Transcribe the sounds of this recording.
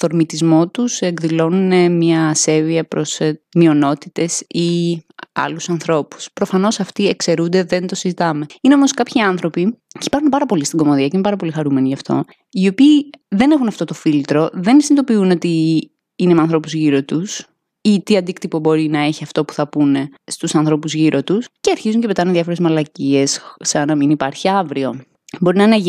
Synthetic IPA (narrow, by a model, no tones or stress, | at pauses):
θo̞ɾmit̪izmo̞t̪use̞ŋɡðilo̞nunemɲɐse̞viɐpɾosmio̞no̞t̪it̪e̞si | ɐ̰lusɐnθɾo̞pu̥spɾo̞fɐno̞sɐft̪iekse̞ɾund̪eðe̞nt̪o̞sizit̪ɐme̞ineo̞moskɐpçiɐnθɾo̞piçi̥pɐɾunpɐɾɐpo̞list̪iɡo̞moðiɐceinepɐɾɐpo̞lixɐɾume̞niʝɐft̪o̞̰ | io̞piːðe̞ne̞xunɐft̪o̞t̪ofilt̪ɾo̞ðe̞nisinit̪o̞piuno̞t̪i | inemeɐnθɾo̞puzʝiɾo̞t̪us | it̪iɐnd̪ikt̪ipo̞bo̞ɾinɐe̞çiɐft̪o̞pu̥θɐpune̞st̪usɐnθɾo̞puzʝiɾʔo̞t̪usceɐɾçizuɲcepe̞t̪ɐneðjɐfo̞ɾemɐlɐcie̞ssɐnɐminipɐɾçiɐvɾio̞ | bo̞ɾinɐne